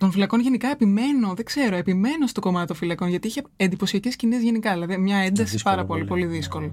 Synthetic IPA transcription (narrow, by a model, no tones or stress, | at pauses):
t̪o̞nfilɐko̞nʝe̞nikɐepime̞no̞ðe̞ɡ̥ze̞ɾo̞e̞pime̞no̞st̪o̞ko̞mɐt̪it̪ofilɐko̞nʝɐt̪iiçeend̪ipo̞siɐce̞scinizʝenikɐðilɐðimɲɐend̪ɐsipɐɾɐpo̞lipo̞liðisko̞lo